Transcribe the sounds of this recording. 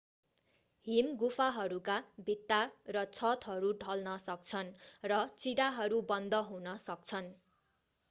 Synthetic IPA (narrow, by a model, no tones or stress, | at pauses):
ɦimɡufʰaɦʌɾukabʱit̪ːarʌt͡sʰʌt̪ɦʌɾuɖʱʌlnʌsʌk̚t͡sʰʌnrʌt͡sid̪aɦʌɾubʌnd̪ʱʌɦunʌsʌk̚t͡sʰʌn